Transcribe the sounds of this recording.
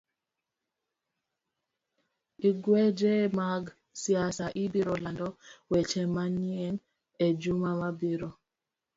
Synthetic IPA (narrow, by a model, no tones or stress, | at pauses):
iɡwɛd͡ʒemaɡ | sijasaʔibiɾɔlandɔwɛt͡ʃɛmaɲiɛn | ed͡ʒumamabiɾo